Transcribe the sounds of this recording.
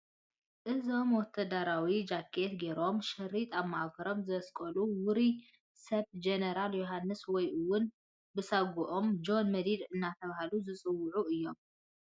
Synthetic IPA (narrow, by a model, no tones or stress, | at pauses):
ʔɨzo̞mwɔt̪ʰːɐd̪aɾawid͡ʒakʰːet̪ɡeɾo̞mʃɨɾit̪ʼaβmakʰɐɾo̞mzɨɐskʼɐluwʊɾi | sɐβd͡ʒenɐɾaljoɦanːɨswɔjʔɨwʊn | bɨsaɡuʔomd͡ʒo̞nmɐd̪id̪ɨnːat̪ʰɐβahaluzɨt͡sʼɨwːʊʕuɨjːo̞m